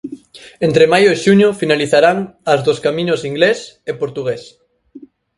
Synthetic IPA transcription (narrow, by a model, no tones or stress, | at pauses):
ent̪ɾemajoeʃuɲofinaliθaɾaŋɐzðoskamĩɲosiŋɡlesepoɾt̪uɣes